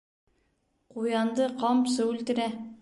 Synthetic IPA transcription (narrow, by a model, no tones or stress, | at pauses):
qʰujɑnd̪əqʰɑmsɵʉlt̪ɪ̆ɾæ